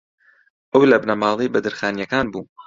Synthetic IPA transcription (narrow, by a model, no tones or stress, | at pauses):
ʔɐwlɐbnɐmɑːlˠibɐd̪ɨɾxaːnjɐkaːnbuː